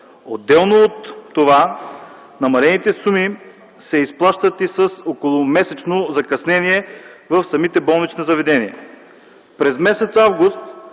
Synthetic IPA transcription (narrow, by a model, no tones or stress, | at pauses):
od̪ːɛlˠnoot̪ːova | nɐmɐlɛnit̪ɛsumi | sɛisplˠaʃt̪ət̪isəsokolˠʊmɛsɛt͡ʃnozɐkɐsnɛniɛvəfsɐmit̪ɛbɔlˠnit͡ʃnɐzɐvɛd̪ɛniɛ̰ | pɾɛzmɛsɛt̪savɡʊst̪